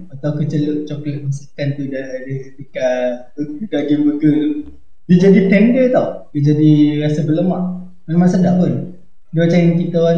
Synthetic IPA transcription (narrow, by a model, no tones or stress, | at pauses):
at̪awkət͡ʃələʔt͡ʃɔkləʔmisikant̪udadəət̪ikabədaɡənbəɡə | did͡ʒadit̪ɛnɡət̪awdid͡ʒadiɾasəbələmaʔ | manmasandaʔpən | duat͡ʃajŋkit̪aa